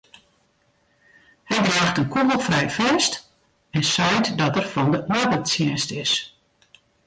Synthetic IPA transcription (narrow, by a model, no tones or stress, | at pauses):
hɛjbraːxtənkuɦəlˠfrɛjfɛst | ɛnsɛjtdɔtərfɔndəʔabətsjɛːstɪs